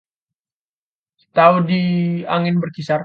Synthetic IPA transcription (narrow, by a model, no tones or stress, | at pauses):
t̪audia̰ŋɪnbərkisar